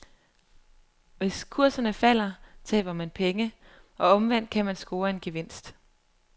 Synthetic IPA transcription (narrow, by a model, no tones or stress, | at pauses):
ʋe̝skʰuɐsɐnəfæl̰ɐt͡sʰɛ̰ːb̥ɐmænpʰeŋə | ɒ̽ɒ̽mʋæn̰d̥̚kʰæmænsɡ̥o̝ːɐe̝nɡ̥eʋe̝n̰sd̥